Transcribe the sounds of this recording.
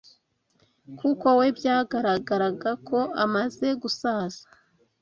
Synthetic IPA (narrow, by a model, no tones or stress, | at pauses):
kuko̞we̞bjaːɡaɾaɡaɾaɡakʰo̞amaze̞ɡusaːz̥ḁ